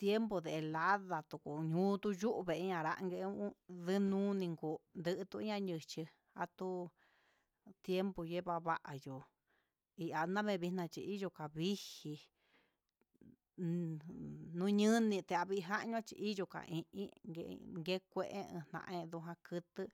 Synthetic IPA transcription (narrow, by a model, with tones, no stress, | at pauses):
t̪je˦mbo˧ðe˨e˨la˦ða˨t̪u˧˨ku˨ɲũː˦t̪u˦ju˦ʔβe˨ʔɲã˧˨ɾa̰˧ʔŋɡe˧˦ðɨ˦nũː˦nĩ˧ŋɡo˨˧nd̪ɨ˧ʔt̪u˧i˦ɲã˦ɲɨ̃˧t͡ʃi˧ | a̰˧t̪u˦ | t̪je˦mbo˧˨je˦βa˧βa˦ʔa˨jo˨ | i˧ʔa˧nã˦βẽ˧βi˧nã˧t͡ʃi˧i˦jo˧ka˨βi˦hi˧ | nũ˦ɲɨ̃˦nĩ˧t̪e˧a˧βi˧ɦa˦ʔɲũ˧ã˦˧t͡ʃḭ˧ʔi˦jo˧ka̰˨ʔĩ˧ʔĩ˦ɡḛ˧ŋɡe˦kʷẽ˦˧ʔḛ̃˦ɨ̰̃˧n̥ã̰˧ʔẽ˦˧ðu˧ɦã˧kɨ˧t̪ɨ˦